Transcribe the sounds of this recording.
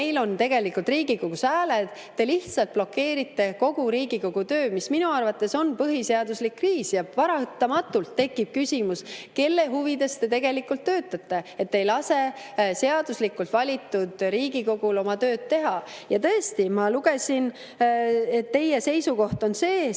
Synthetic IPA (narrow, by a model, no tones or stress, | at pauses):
ejlo̞nt̪e̞ɡ̥e̞likːult̪riːɡikoɡ̥usæːled̪̥ | t̪ːe̞liht̪sɑlt̪̚blo̞kːe̞ːɾit̪ːe̞ko̞ɡ̥uɾiːɡ̥iko̞ɡ̥ut̪ø̞ːmisminuɑrvɑt̪ːˑe̞so̞npɤɦiseɑd̪̥uslikːriːsjɑvɑɾɑt̪ːˑɑmɑt̪ːˑult̪ːe̞kːˑib̥̚kysʲimuske̞lːe̞ɦuvid̪e̞st̪e̞t̪e̞ɡ̥e̞likːˑult̪ːø̞ːt̪ːˑɑt̪ːe̞et̪ːejlɑse̞se̞ɑd̪̥uslikːˑult̪vɑlʲit̪ˑːud̪̥ɾiːɡ̥iko̞ɡ̥ulo̞mɑt̪ø̞ːd̪̚t̪ːe̞ɦɑjɑt̪ɤest̪imɑluɡ̥e̞sin | e̞t̪ːe̞jese̞jsuko̞ht̪o̞nse̞ː